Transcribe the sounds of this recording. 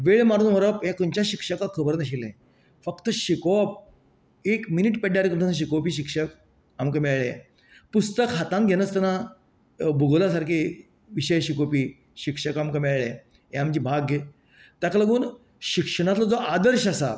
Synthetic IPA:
ʋeɭmaɾuːnɔɾəpɦẽkəɲt͡ɕaɕikʂəkakʰəbəɾnəɕilḛ̃ | fək̚t̪əɕikop̚ | ekminiʈpɛɖjaɾikəmt̪ʰãsɕ̬ikopiːɕikʂək | amkəmeɭɭe | pust̪əkɦat̪ãnɡʱenəst̪ɛna | bʱuɡlasaɾkʰe | ʋiɕəjɕikopiː | ɕikʂəkamkəmeɭɭẽ | ɦẽamd͡ʑiːbʱaɡə | t̪akaləɡuːn | ɕikʂəɽ̃ãt̪lɔd͡zɔʔad̪əɾɕasa̰

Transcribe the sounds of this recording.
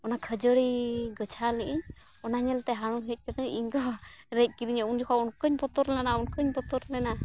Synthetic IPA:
ɔnakʰəd͡ʒəɽiɡət͡ʃʰaliʔiɲ | ɔnaɲɛlt̪ɛɦaɽ̃uɦɛc̚ˀkəd̪əʔiɲɡɔɾɛc̚ˀkiɾiɲɛund͡ʒɔkʰaunkəɲpɔt̪ɔɾlɛnaunkəɲpɔt̪ɔɾlɛna

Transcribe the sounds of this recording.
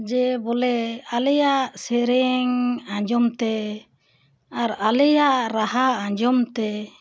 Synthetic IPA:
d͡ʒɛbɔlɛalɛjaʔsɛɾɛŋãɲd͡ʒɔmt̪ɛ | aɾalɛjaʔɾaɦaãɲd͡ʒɔmt̪ɛ

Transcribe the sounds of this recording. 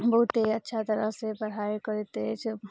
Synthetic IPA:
bəɦut̪eətːʃʰat̪əɾəɦsebəɽ̤aːekəɾit̪et͡ʃʰ

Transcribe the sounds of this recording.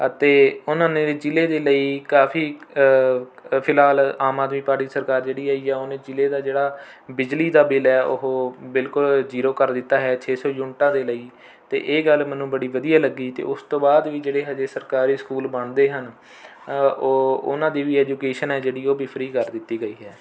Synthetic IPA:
ət̪eːʊnãːnẽːd͡ʒɪleːd̪eːləiːkaːpʰiː | pʰɪlɦaːlaːmaːd̪miːpaːɾʈiːsəɾkaːɾd͡ʒeːɽiːaːiːɛːoːnẽːd͡ʒɪleːd̪aːd͡ʒeːɽaːbɪd͡ʒliːd̪aːbɪlɛːʊ̰ɦoːbɪlkʊld͡ʒiːɾoːkəɾd̪ɪt̪ːaːɦɛːt͡ʃʰeːsɔːjʊnʈãːd̪eːləiː | t̪ḛːʔeːɡəlmɛːnũːbəɽiːʋəd̪ijaːləɡiːt̪ḛːʊst̪õːbaːd̪ʋiːd͡ʒeːɽeːɦɛd͡ʒeːsəɾkaːɾiːskuːlbəɳd̪eːɦən | oːʊ̰nãːd̪iːʋiːɛːd͡ʒuːkeːʃənɛːd͡ʒeːɽiːoːbiːpʰɾiːkəɾd̪ɪt̪ːiːɡəiːɦɛː

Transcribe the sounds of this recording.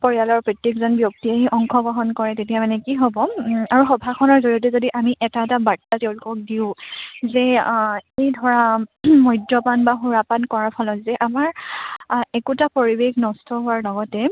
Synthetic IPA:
pɔɹijalɔɹpɹɔtekzɔnbjok̚tiaɦiʔɔŋkʰɔɡɹɔɦɔnkɔɹɛtetijamanɛkiɦɔbɔaɹuxɔbʱakʰɔnɔɹzoɹiɔt̬ɛzodiʔamiʔɛtaɛtabatːatɛʊ̃lʊkɔk̚diʊ̃zɛ | ejdʱɔɹamɔjdɹɔpanbaxuɹapankɔɹaɹpʰɔlɔtzɛʔamaɹ | ɛkutapoɹibexnɔstʰɔɦʊaɹlɔɡɔtɛ

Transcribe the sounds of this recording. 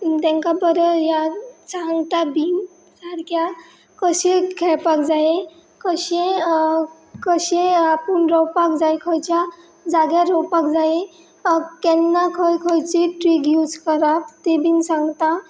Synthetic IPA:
t̪ɛ̃ŋkabəɾəjasaŋɡt̪abin | saɾkʰja | kəɕẽkʰɛpakd͡zaje | kəɕẽ | kəɕẽapənɾɔwpakd͡zajkʰəjt͡ɕa | d͡zaɡjaɾɔwpakd͡zae | kɛnːakʰəjkʰəjt͡ɕeʈɾiɡjud͡zkəɾapt̪ebinsãŋɡt̪a

